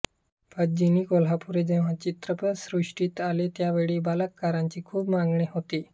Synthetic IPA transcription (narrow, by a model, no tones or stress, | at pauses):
pʰəd͡ʑiniːkolɦapuɾed͡ʑeʋ̤at͡ɕit̪ɾəpəsɾuʂʈiːt̪alet̪jaʋeɭiːbaləkːaɾãɲt͡ɕiːkʰuːpmaŋɡɳeɦot̪iː